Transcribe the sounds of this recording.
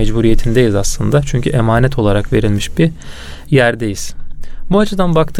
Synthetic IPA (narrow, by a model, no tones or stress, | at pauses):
ɛd͡ʒbuɾije̞t̪ʰind̪ejizaslˠɯnd̪at͡ʃʰyɲcʰyʔemaːnɛt̪ʰo̞lˠaɾakve̞ɾilʲmiʃbi | jæɾd̪ejiz̥buat͡ʃʰɯd̪anbakt̪ʰɯ